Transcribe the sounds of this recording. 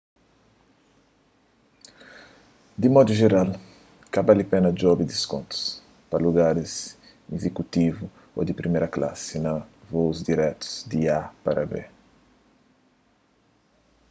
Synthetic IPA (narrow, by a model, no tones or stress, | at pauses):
d̪imɔd̪uʒeɾal | kabalipẽnɐd͡ʒɔbid̪iskõ̰nt̪u̥s | pɐluɡaɾis | ezekut̪ivu | o̰d̪ipɾimeɾɐkla̰sinɐvozd̪iɾɛt̪u̥z̥d̪iapaɾʔɐbḛ